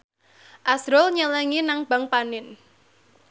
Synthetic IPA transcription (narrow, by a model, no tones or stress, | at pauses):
ʔasɾʊlɲəlɛŋinaŋb̥a̤ŋpanɪn